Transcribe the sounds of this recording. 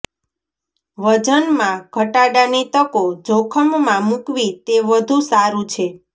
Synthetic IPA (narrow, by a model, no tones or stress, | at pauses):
ʋəd͡ʒənmãkəʈaɖanit̪əkod͡ʒokʰəmːãmũkʋit̪eʋəd̪ʱũsaɾũt͡ʃʰe